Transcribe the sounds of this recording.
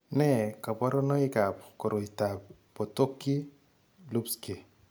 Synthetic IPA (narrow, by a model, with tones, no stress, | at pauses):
nɛ˦˨ka˨pɔ˦ɾɔ˦nɔ˦i˦ka˨pko˨ɾo˨ita˨p | po˨to˦kːi˦ | lu˦pske˨